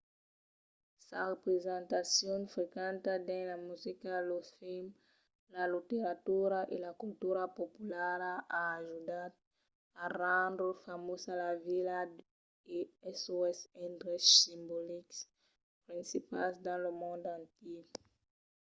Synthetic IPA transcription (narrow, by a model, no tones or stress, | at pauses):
sarepɾezãnt̪asjõnfɾekãnt̪ad̪ẽnlamuzikalofilm | lalit̪eɾat̪uɾaʔelakult̪uɾapopulaɾaʔaːʒud̪aɾ | arãnd̪ɾofamosalavila | eesuesẽnd̪ɾessĩmboliks | pɾĩnsipasd̪ãlomõnd̪uãnt̪ik